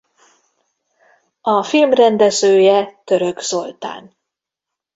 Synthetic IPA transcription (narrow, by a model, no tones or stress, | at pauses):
ɒfilmrɛnd̪ɛzøːjɛt̪øɾø̞ɡz̥o̞lt̪a̰ːn